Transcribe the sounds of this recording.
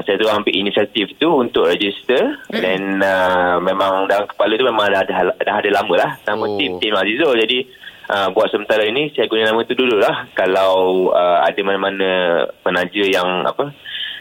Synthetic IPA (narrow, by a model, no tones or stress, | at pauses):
sajat̪suaŋampiʔinisiat̪ift̪uːnt̪ʊʔɾɛd͡ʒist̪ədɛnəmemãŋdaaŋkə̥palut̪umemãŋdddaɦadalamə̃lahnamə̃t̪imt̪imazizod͡ʒadi | ʔəbuat̪̚səmənt̪aɾainĩsajaɡunənamə̃t̪ududʊʔlahkalawəa̰dəmanəmanə̃pənad͡ʒəjaŋa̰pə